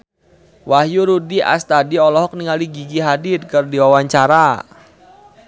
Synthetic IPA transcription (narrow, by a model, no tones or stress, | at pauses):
wahjuɾudiʔa̰st̪adiɔlɔɦɔk̚niŋaliɡiɡiɦaditkərdiwawaɲt͡ʃaɾa